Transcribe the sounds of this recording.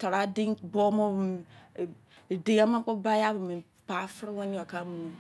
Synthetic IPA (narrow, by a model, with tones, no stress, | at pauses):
ta˨ɾa˨˦di˦ŋbɔ˦mo˦˨ | di˨˦a˦ma˦ko˦ba˦ja˦bu˨mi˨ | pa˨˦fɾi˦wa˦ɲ˦ɔ˨ka˦mu˨